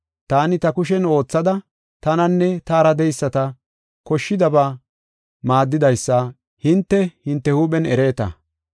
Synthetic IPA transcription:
t̪aːnɪt̪ɐkʊʃ̬ɛno̞ːt͡sːɐd̪ɐ | t̪ɐnɐnːɛt̪aːɾɐd̪ɛjsːɐt̪ɐ | kɔʃːɪd̪ɐbaː | maːd̪ːɪd̪ɐjsːɐ | hɪnt̪ːɛhɪnt̪ːɛhuːɓɛnɛɾe̞ːt̪ɐ̰

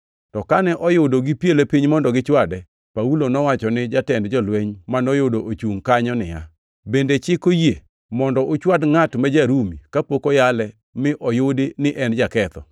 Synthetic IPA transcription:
tɔkanɛʔɔjʊdoɡɪpjelepiɲmɔndɔɡɪt͡ʃwadɛ | paulonɔwat͡ʃɔnɪd͡ʒatɛndd͡ʒɔlweɲmanɔjodoʔot͡ʃuŋkaɲɔnɪja̰ | bendet͡ʃɪkoje | mɔndɔʔot͡ʃwadŋatmɛd͡ʒaɾumikapokojalɛ | mɪʔɔjodenɪʔɛnd͡ʒakɛt̪ɔ̰

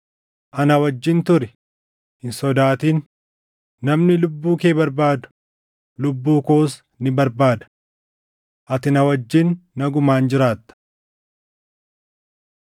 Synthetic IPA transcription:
ʔɐnɐwɐd͡ʒːɪnt̪ʊɾɪ̥ | hɪnsɔd̪aːt̪iːnː | ɐmnɪlʊbːuːkeːbɐɾbaːd̪ʊ̥ | lʊbːuːkoːs | nɪbɐɾbaːd̪ɐ̥ | ʔɐt̪ɪnɐwɐd͡ʒːɪnːɐɡʊmaːnd͡ʒɪɾaːt̪ːɐ̥

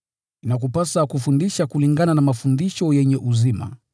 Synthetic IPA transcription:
inak̬upasakufundiʃakuliŋɡananamafundiʃɔjɛɲɛʔuzima̰

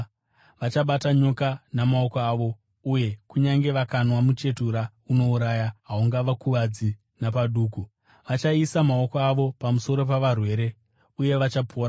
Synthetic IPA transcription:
ʋat͡ʃaɓataɲo̞kanamao̞koaːʋo̞ | uje̞kuɲaŋɡe̞ʋakanwamut͡ʃe̞tuɾa | uno̞uɾajaɦauŋɡaʋakuʋad͡zi | napaɗuːku | ʋat͡ʃaisamao̞koaʋo̞pamuso̞ɾo̞p̬aʋarwe̞ːɾe̞ | uje̞ʋat͡ʃapʰoːɾa

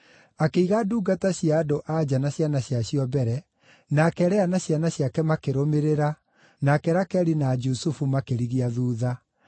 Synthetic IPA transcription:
akeiɣaduːɡataɕiaːdoʔad͡ʑanaɕjanaɕjaɕiɔbɛɾɛ | nakɛɾɛanaɕjanaɕjakɛmakeɾomeɾeɾa | nakɛɾakɛɾinad͡ʒusufumakeɾiɣiaðuːða

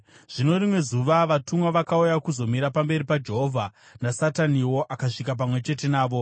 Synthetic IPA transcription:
ʐ̥ino̞rimwe̞zuʋaʋatumwaʋakaujakuzo̞miɾapambe̞ɾipad͡ʒe̞ɦo̞vʱa | nasataniwo̞ʔakaʂikap̬amwe̞t͡ʃe̞te̞naːʋo̞

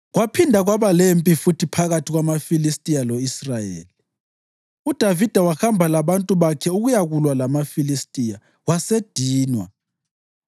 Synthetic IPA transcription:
ɣwapʰindʱaɣwaβalempʼifutʰipʰaɣatʰiɣwamafilistʼijalɔisrajḛːli | ud̥ʱavid̥ʱawahambʱalaβantʼuβakʰɛuɣujaɣulwalamafilistʼija | wased̥ʱiːnwa̰

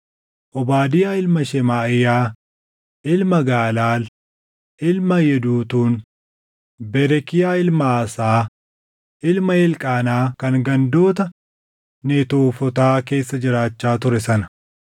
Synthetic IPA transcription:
ʔɔbaːd̪ɪjaːɪlmɐʃɛmaːɪjaː | ʔɪlmɐɡaːlaːl | ɪlmɐjɛd̪uːt̪uːn | bɛɾɛkɪjaːɪlmɐːsaː | ʔɪlmɐɛlkʼaːnaːkɐŋɡɐnd̪o̞ːt̪ɐ | net̪oːfɔt̪aːke̞ːsːɐd͡ʒɪɾaːt͡ʃːaːt̪ʊɾɛsɐnɐ̥

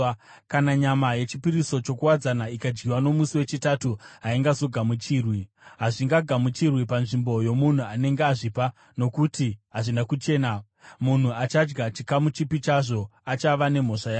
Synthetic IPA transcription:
kanaɲamaje̞t͡ʃipiɾiso̞t͡ʃo̞kuwad͡zanaikad͡ʒɡiwano̞musiwe̞t͡ʃitatuɦaiŋɡazo̞ɡʱamut͡ʃirwi | ɦaʐiŋɡaɡʱamut͡ʃirwipanʐimbo̞jo̞mun̤uane̞ŋɡeaʐipa | no̞kutiɦaʐinakut͡ʃe̞ːna | mun̤uat͡ʃad͡ʒɡat͡ʃikamut͡ʃipit͡ʃaʐo̞at͡ʃaʋane̞m̤o̞ʂajaː

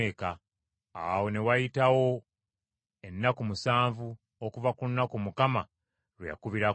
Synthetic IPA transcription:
eka̰ː | wo̞ne̞wajitawo̞ | enːakumusaːɱvu | okuvakunːakumukama | ɾwja̰kuβiɾa

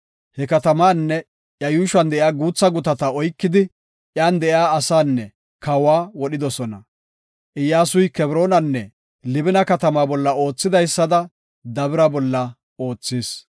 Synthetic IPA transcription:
hɛkɐt̪ɐmaːnːɛ | jɐjuːʃɐnd̪ɛjaːɡuːt͡sːɐɡʊt̪ɐt̪ɐɔjkːɪd̪ɪ | ʔjaːnd̪ɛʔjaːɐsaːnːɛ | kɐwaːwɔɗɪd̪ɔsɔnɐ̰ | ʔɪjːaːsʊjkɛbɾo̞ːnɐnːɛ | lɪbɪnɐkɐt̪ɐmaːbɔlːɐo̞ːt͡sːɪd̪ɐjsːɐd̪ɐ | d̪ɐbɪɾɐbɔlːɐ | o̞ːt͡sːiːs

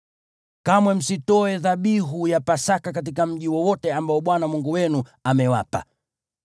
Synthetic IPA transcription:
kamwɛm̩sitɔɛðaɓiɦujapasakak̬at̬ikam̩ʄiwɔwɔtɛambaɔɓwanamuŋɡuwɛnuamɛwa̰pa̰

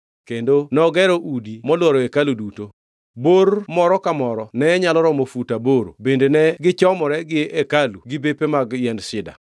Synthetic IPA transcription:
kendonɔɡɛɾɔʔudimɔlwɔɾɔekaluduto | boɾmɔɾɔkamɔɾɔnɛɲalɔɾɔmofutaboɾo̰bendenɛɡɪt͡ʃɔmɔɾɛɡɪekaluɡɪbepemaɡjɛndsɪda̰

